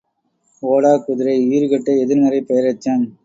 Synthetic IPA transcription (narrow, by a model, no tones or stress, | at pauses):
oːɽaːkʊðɪɾɐɪiːɾɯkɐʈːɐɛðɪɾnɐɾɐɪpɛjɐɾɐt͡ʃːaːn